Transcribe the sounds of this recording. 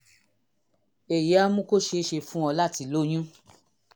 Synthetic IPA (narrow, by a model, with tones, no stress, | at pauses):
e˨ja˦mũ˦ko˦ʃe˧˦ʃe˧fũ˦ɔ˧la˦ti˨˦˨lo˦j̃ũ˦